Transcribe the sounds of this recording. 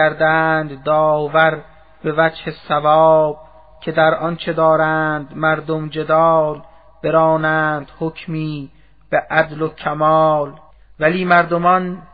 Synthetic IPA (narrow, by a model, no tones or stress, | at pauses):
æɾd̪ænd̪ːɒːvæɾ | be̞væd͡ʒhe̞sævɒːb̥̚ | cʲʰe̞d̪æɾʔɒnt͡ʃʰe̞d̪ɒːɾæːnd̪mæɾd̪omd͡ʒe̞d̪ɒːl | b̥eɾɒːnæːnd̪̥hocʰmiː | b̥eʔæd̪lokʰæmɒːl | væliːmæɾd̪omɒn